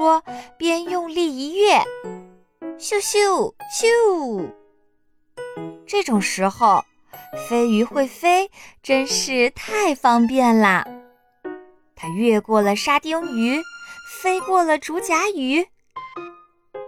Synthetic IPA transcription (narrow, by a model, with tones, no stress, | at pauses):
wɔ˥pjɛ˥njʊ˥˧ŋli˥˧i˧˥ɥɛ˥˩ | ɕu˥˧ɕu˥˩ɕu˥ | ʈ͡ʂɤ˥˩ʈ͡ʂʊ˨˩ŋʂɻ̩˧˥xo˥˩ʊ | fe˥ɪy˧˥xwe˥˩ɪfe˥ɪʈ͡ʂə˥nʂɻ̩˥˧t̪ʰa˥˩ɪfɑ˥ŋp̬jɛ˥˩nlə̰˨˩ | t̪ʰa˥ɥɛ˥˧kwɔ˥˩lə˩ʂa˥t̪ji˥ŋy˧˥fe˥ɪkwɔ˥˩lə˩ʈ͡ʂu˧˥t͡ɕja˧˥y˧˥